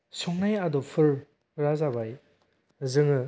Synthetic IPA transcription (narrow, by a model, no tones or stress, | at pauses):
sɔŋnajadɔpʰɯɾ | ɾazabaj | zɯŋɯ